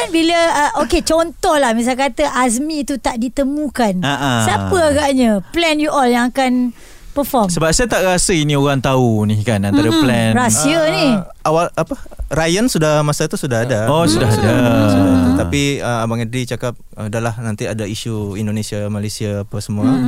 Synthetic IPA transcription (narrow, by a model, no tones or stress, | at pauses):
kanbiləəʔoket͡ʃɔnt̪ɔhlahmis̬alkat̪əʔas̬mĩːt̪ut̪aʔdit̪əmũkanaʔasapəaɡaʔɲə̃plɛnjuʔɔljaŋakan | pəfɔsəbap̚sajat̪aʔɾasəinĩoɾaŋt̪aunihkanãnt̪aɾəplɛnɾasiəniawalapərajənsudahmasat̪usudaɦadaosudaɦada | t̪apiəmabaŋədɾit͡ʃakap̚ | ədalahnãnt̪iadaiʃuindonesiamalasiapəsəmũa